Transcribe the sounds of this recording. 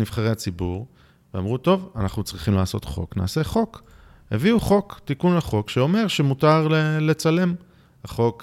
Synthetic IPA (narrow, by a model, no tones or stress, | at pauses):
niv̥χaʁeat͡sibuʁ | veamʁuto̞vanaχnut͡sʁiχimlaːso̞t̪χo̞̰kna̰ːse̞χo̞k | heviuχo̞kt̪ikunlaχo̞kʃeo̞me̞ʁʃemutaʁlele̞t͡sale̞m | haχo̞k